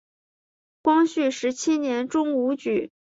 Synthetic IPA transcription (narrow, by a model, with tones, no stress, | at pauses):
kwɑ˥ŋɕy˥˩ʂɻ̩˧˥t͡ɕʰi˥njɛ˧˥nʈ͡ʂʊ˥ŋu˧˥t͡ɕy˨˩˦